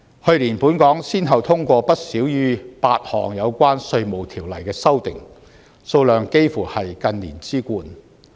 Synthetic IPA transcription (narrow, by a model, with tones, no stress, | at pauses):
hɵ˧ɥliː˨˩npuː˨˥nkɔː˨˥ŋsiː˥nɦɐ˨wt̪ʰʊ˥ŋkʷɔː˧pɐ˥t̚siː˨˥wjyː˥paː˧t̚hɔ̰ː˨˩ŋjɐ˨˧wkʷwaː˥nsɵ˧ɥmo˨˩wt̪ʰiː˨˩wlɐ˨˩jkɛː˧sɐ˥wt̪ɪ̰˨ŋ | so˧wlœː˨ŋke˥jfuː˨˩hɐ˨jkɐ˧nliː˨˩nt͡siː˥kuː˧n